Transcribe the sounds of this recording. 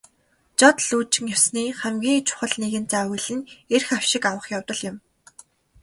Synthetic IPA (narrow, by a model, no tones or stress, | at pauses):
t͡ɕɔt̪ɮuːt͡ɕɪ̆ŋjawsniːχæmɡʲiːŋt͡ɕʰʊ̥χə̆ɮneɣɘ̆nt͡saːwɘɮɘ̆nerxaw̥ʃɪ̆kawə̆χjawt̪ə̆ɮjɪ̆m